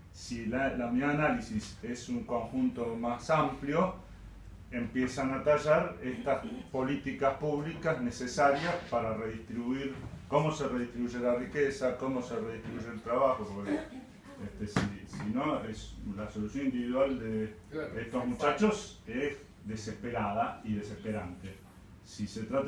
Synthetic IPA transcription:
silalamiaanalisisesuŋko̞ŋxunt̪o̞masampljo | empjesanat̪aʒaɾest̪aspo̞lit̪ikaspuβlikazne̞sesaɾjaspaɾareðiht̪ɾiβuiɾkomose̞reðiht̪ɾiβuʒelarikesako̞mo̞sereðiht̪ɾiβuʒelt̪ɾaβaxopoɾkke | eht̪esisino̞eslaso̞lusjonĩnd̪iβiðwald̪eet̪oɦmut͡ʃat͡ʃoses | ðesehpeɾaðaiðesehpe̞ɾant̪e | sise̞t̪ɾat̪

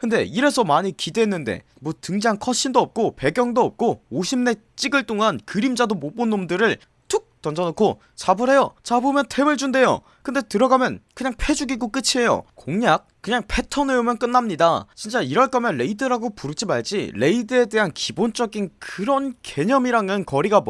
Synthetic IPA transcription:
kɯnde̞iɾe̞sʰʌmaɲikide̞ːnːɯnde̞̰ | mwʌtɯŋd͡ʑaŋkʰʌɕ͈ʰindoʌp̚k͈ope̞ɡjʌŋdoʌp̚k͈ooɕʰimne̞ | t͡ɕ͈iɡɯɭt͈oŋankɯɾimd͡ʑadomop͈onːomdɯɾɯɭ | tuk̚t͈ʌnd͡ʑʌnokʰo | t͡ɕabɯɾe̞jot͡ɕabomjʌntʰe̞mɯɭd͡ʑunde̞jo̰ | kɯnde̞tɯɾʌɡamjʌnkɯɲaŋpʰe̞d͡ʑuɡiɡok͈ɯt͡ɕʰie̞jo̰koŋɲak̚k͈ːɯɲaŋpʰe̞tʰʌneomjʌnk͈ɯnːamɲida̰t͡ɕint͡ɕ͈aiɾʌɭk͈ʌmjʌnːe̞idɯɾaɡopuɾɯk̚t͡ɕ͈ʰimaɭd͡ʑile̞idɯe̞de̞ɦankibont͡ɕ͈ʌɡinkɯɾʌnke̞ɲʌmiɾaŋɯnkʌɾiɡam

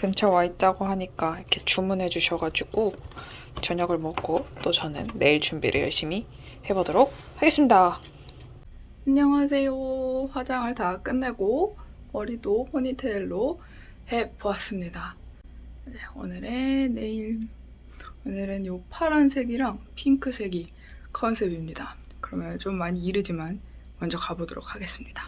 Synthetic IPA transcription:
kɯnt͡ɕʰawait̚t͈aɡoɦaɲik͈aikʰe̞t͡ɕumːunɦe̞d͡ʑuɕʰʌɡad͡ʑuɡ̥o | t͡ɕʌɲʌɡɯɭmʌk͈ot͈ot͡ɕʌnɯ̰nːe̞iɭt͡ɕumbḭɾɯ̰ɭjʌɭɕ͈imi | he̞bodoɾok̚ | haɡe̞s͈ɯmɲida | kɯɲʌŋɦasʰe̞joɸwad͡ʑaŋɯɭtak͈ɯnːe̞ɡo | pʌɾidopʰoɲitʰeɭːo | he̞poas͈ɯmɲida | jeo̰nɯɾe̞ne̞iɭ | onɯɾɯnjopʰaɾɦans̬ʰe̞ɡiɾaŋpʰiŋkʰɯsʰe̞ɡi | kʰʌnsʰe̞bimɲida | kɯɾʌmjʌnt͡ɕomːaɲiːɾɯd͡ʑiman | mʌnd͡ʑʌkabodoɾo̰kʰaɡe̞s͈ɯmɲid̥ḁ

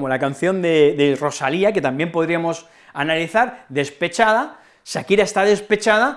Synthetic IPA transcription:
molakan̟θjo̞nd̪ed̪ero̞saliake̞t̪ambjempo̞ð̞ɾiamo̞s | analiθaɾðe̞spe̞t͡ʃaða | sakiɾaest̪aðe̞spe̞t͡ʃaða

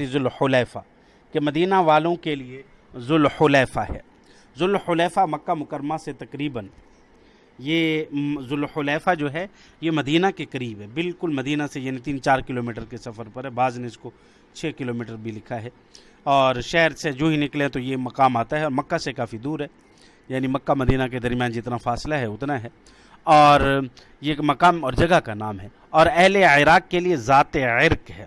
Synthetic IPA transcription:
izʊlxʊlɛːfaː | kemɐd̪iːnaʋaːlõkelie | zʊlxʊlɛːfaɦɛ̰ː | zʊlxʊlɛːfamɐkːamʊkəɾmaset̪ɐkɾiːbən | jeːzʊlxʊlɛːfad͡ʒoːɦɛ | jemɐd̪iːnakekɐɾiːbɦɛːbɪlkʊlmɐd̪iːnasejaːnit̪iːnt͡ʃaːɾkɪloːmiːʈəɾkesɐfəɾpɐɾɦɛbaːzneɪsko | t͡ʃʰeːkɪloːmiːʈəɾbʱilɪkʰaɦɛː | ɔːɾʃɛɦɾsed͡ʒoːɦinɪkleɛ̃t̪ojemɐkaːmaːt̪aɦɛɔːɾmɐkːasekaːfid̪uːɾɦɛː | jaːnimɐkːamɐd̪iːnak̬ed̪ɐɾmjãːnd͡ʒɪt̪nafaːslaɦɛʊt̪naɦɛː | ɔːɾ | jemɐkaːmɔːɾd͡ʒɐɡakanaːmɦɛ | ɔːɾɛɦleɪɾaːkːeliezaːt̪eɪɾkɦɛː

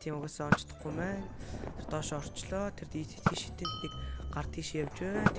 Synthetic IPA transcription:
t̪ʰiːmʊɣaːsɔɔnt͡ɕt̪ə̥̆χɡumæːnt̪ʰert̪ɔːʃɔr̥t͡ɕɮɔːt̪ʰert̪iːt̪ʰɘ̥̆t̪xiːʃi̥t̪ɘ̆nt̪xiːkɢart̪ʰiːʃijawt͡ɕæːnt̪ʰ

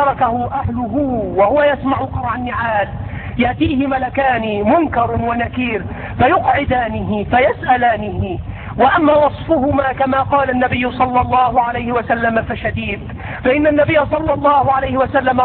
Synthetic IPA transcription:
ɑɾˤɑkahʊʔahlʊɦʊwahʊwajasmaʕʊqɑɾˤʕanːɪʕaːl | jaʔt̪iːhɪmalakaːnɪmʊnkɑɾˤwanakiːɾ | fajʊqʕɪd̪aːnɪɦɪfajasʔalaːnɪhɪ | waʔamːaːwɑsˤfʊhʊmaːkamaːqɑːlanːabɪjːʊsˤɑlːɑlˤːɑːhʊʕalajhɪwasalːamafaʃad̪iːd̪ | faʔɪnːanːabɪjːasˤɑlːɑlˤːɑːhʊʕalajhɪwasalːama

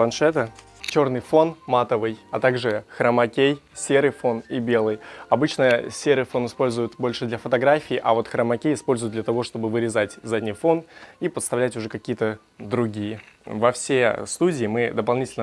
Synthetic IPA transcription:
plˠɐnʂɛt̪ə | t͡ɕornɨjfo̞nmat̪əvɨjɐt̪aɡʐɨxɾəmɐkʲejsʲe̞ɾɨjfo̞nibʲe̞lˠɨjɐbɨt͡ɕnəjəsʲeɾɨfo̞nɨspo̞lʲzʊjʊt̪bo̞lʲʂɨd̪lʲɐfət̪ɐɡɾafʲɪːʔɐvo̞t̪xɾəmɐkʲejɪspo̞lʲzʊjɪt̪d̪lʲət̪ɐvo̞ʂt̪o̞bɨvɨɾʲɪzatʲzadʲnʲɪjfo̞nipət̪st̪ɐvlʲætʲʊʐɛkɐkʲijət̪ə | d̪ɾʊɡʲijəvɐfsʲest̪udʲɪːmɨd̪əpɐlˠnʲitʲɪlʲnə

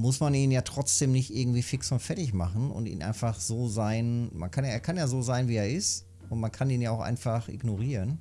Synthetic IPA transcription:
mʊsmaniːnjaːtʁ̥ɔt͡sd̥eːmnɪçtʔɪɐɡŋ̩tv̥iːfɪksʊntfɛlɪçmaχn̩ʊ̰ntḭːnʔa̰ɪnfaχz̥oːzaɪnma̰nkʰanjaːʔeːɐkʰanjaːzoːzaɪnviːeːɐɪst | ʊntmankʰaniːnjaːaʊxʔa̰ɪnfaχʔɪ̰ɡnoʁiːʁən

